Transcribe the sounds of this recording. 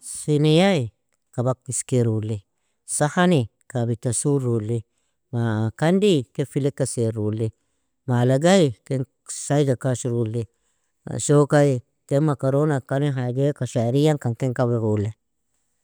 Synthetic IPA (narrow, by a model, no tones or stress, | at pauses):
sinejai | kabak̚tiskeɾule | sahani | kabit̪asuɾuli | makand̪ikefilekaseɾule | malaɡajkeŋ | sajd͡ʒakaʃiɾule | a̰ʃokai | temakaɾonakaniɦaɡekaʃaɾijaŋkaŋkeŋkaβeɾule